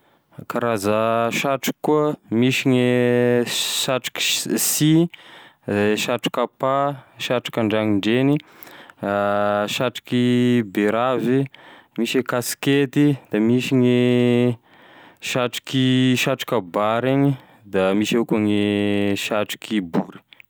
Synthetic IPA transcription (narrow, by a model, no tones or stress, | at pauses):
kaɾazaʃaʈ͡ʂu̥kːuəmiʃiɲe | ʃaʈ͡ʂi̥ki̥si | ʃaʈ͡ʂi̥kapaʃaʈ͡ʂi̥kaɳɖ͡ʐaŋiɳɖ͡ʐeni | ʃaʈ͡ʂi̥kibeɾavimiʃekasket̪id̪̥amiʃiɲe | ʃaʈ͡ʂi̥kiʃaʈ͡ʂu̥kabaɾeɲi | d̪amiʃekuŋeʃaʈ͡ʂi̥kʰibuɾi̥